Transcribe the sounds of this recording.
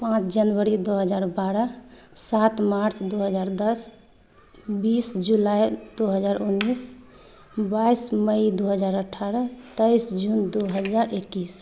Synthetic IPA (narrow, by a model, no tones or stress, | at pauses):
pãt͡ʃʰd͡ʒənʋəɾid̪oɦəd͡ʒaɾbaɾəsat̪maɾt͡ʃʰd̪oɦəd͡ʒaɾd̪əs | bisd͡ʒulajd̪oɦəd͡ʒaɾʔunːis | baisməid̪oɦəd͡ʒaɾəʈʰːaɾət̪əjsd͡ʒund̪oɦəd͡ʒaɾekːis